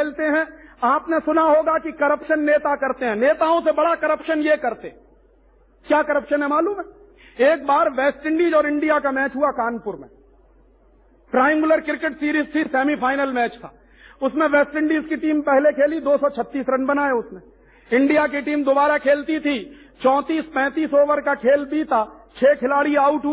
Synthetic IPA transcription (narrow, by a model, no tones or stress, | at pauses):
keːlt̪eɦɛ̃aːpnesʊnaɦoːɡakikɐɾəpʃənːeːt̪akɐɾt̪eɦɛ̃ːneːt̪aõsebɐɽakɐɾəpʃənjekɐɾt̪ḛɦɛ̃ | kjaːkɐɾəpʃənɦɛ̃maːluːmɦɛ | eːk̚baːɾʋɛːsʈɪ̃ɳɖiːd͡ʒɔːɾɪ̃ɳɖijakamɛːt͡ʃɦuakaːnpʊɾmḛ̃ | pɾaːɪmɡɪləɾkɪɾkeʈsiːɾiːzt̪ʰisɛːmipʰaːɪnəlmɛːt͡ʃt̪ʰa̰ː | ʊsmẽʋeːsʈɪ̃ɳɖiːzkiʈiːmpɛɦlekʰeːlid̪oːsɔt͡ʃʰɐt̪ːiːsɾɐnbɐnaːjaʊsmẽ | ɪ̃ɳɖijak̬iʈiːmd̪ʊbaːɾakʰeːlt̪it̪ʰi | t͡ʃɔ̃ːt̪iːspɛ̃ːt̪iːsoːʋəɾkakʰeːlbiːt̪a | t͡ʃʰeːkʰɪlaːɽiaːʊʈɦ